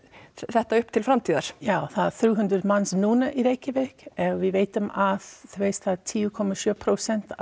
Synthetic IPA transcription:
sɛht̪ːaʏhpːt̪ʰɪlfɾamt̪ʰiːða̰ɾ̥jawθaðθɾuːɦʉnd̪ɾɪd̪mansnuːnaʔiɾejkɪvɛkɛɣvɪvejt̪ʏmað̥θveːst̪θat̪ʰiːukʰɔmasjœːpʰɾosɛnt̪

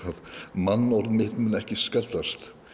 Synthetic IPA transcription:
aðmanːɔɾðmɪht̪mʏnːɛhcɪskɛlt̪ast̪

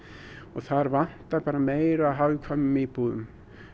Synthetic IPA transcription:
ɔɣθaɾvan̥t̪aɾpaːɾameːjɾaɦawkʰamʏmipuːðʏ̰m

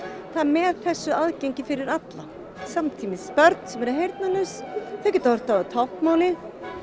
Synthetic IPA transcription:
θaðmɛðθɛsːʏaðceɲcɪfɪɾɪɾat̪la | samt̪ʰiːmɪssːpœɾt̪n̥sɛmɛɾɪɦejɾt̪̚nanʏsθacɛt̪avœɾ̥t̪aat̪ʰawhkmaːwlɪ

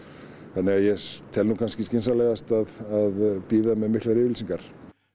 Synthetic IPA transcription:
θanːɛɣaðjɛt̪ʰɛlnukʰanscɪscɪnsalɛːɣast̪aðaðpiːðamɛðmɪhk̪laɾɪːvɪlsiŋkaɾ̥

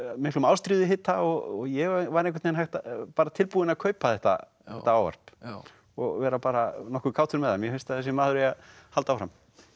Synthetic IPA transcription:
mɪhklʏmaːwst̪ɾiːðɪɦɪt̪ːaɔɣɔɣjɛɣvaɾẽŋkʰat̪ejnɦajht̪apaːɾat̪ʰɪlpuːɪnakʰœːɥpaθɛht̪a̰ | ɛht̪aaːwva̰r̥p | ɔɣvɛːɾapaːɾanɔhkʏkʰawt̪ʰʏɾmɛðhamjɛhenst̪aθɛsɪmaːðʏɾɛjahalt̪awfɾam

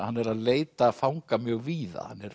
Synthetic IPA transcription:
hanːɛɾaðleːjt̪afawŋkamjœːɣviːða̰ha̰nːɛɾ

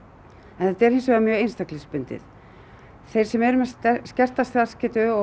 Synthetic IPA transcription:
ɛnθɛt̪ːɛɾ̥hɪnsvɛːɣamjœːejnst̪aklɪspʏnt̪ɪ̰ð | θejɾ̥sɛmɛɾʏmɛscɛr̥t̪ast̪ːascɪːt̪ʏɔ

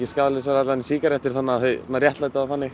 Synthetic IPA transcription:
cɪskaːðlɪsaɾat̪lansiːkaɾɛft̪ɪɾ̥θanːaːðθœnːarjɛht̪lajt̪aθanːɪx

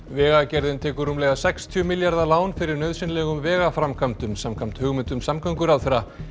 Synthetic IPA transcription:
vɛːɣacɛɾðɪnt̪ʰɛːkʏɾumlɛɣasɛkst̪ʰjœmɪljaɾðalaːwnfɪɾɪɾnœɥðsɪnlɛɣʏmvɛːɣafɾamkʰamt̪ʏmsamkʰam̥t̪hʏɣmʏnt̪ʏmsamkaŋkʏɾawθfɛɾa

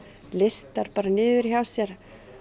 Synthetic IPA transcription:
lest̪aɾ̥paːɾanɪːðʏɾ̥çawsjɛɾ̥

